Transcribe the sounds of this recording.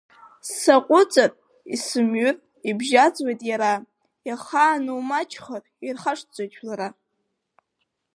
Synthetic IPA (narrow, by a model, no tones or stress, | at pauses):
saqʷʼʊt͡sʼarʼ | isɨmɥyr | ibʒat͡sʼwajtʼjaɾa | jaχaːnɨwmat͡ʃʰʼχər | irχaʂt͡sʷʼat͡ʃʰʼlaɾa